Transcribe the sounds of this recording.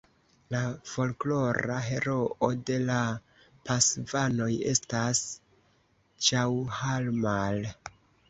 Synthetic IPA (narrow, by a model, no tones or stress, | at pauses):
lafo̞lklo̞ɾa̰ɦe̞ɾo̞ʔode̞la | pasvano̞je̞̰stas | t͡ʃawhalmal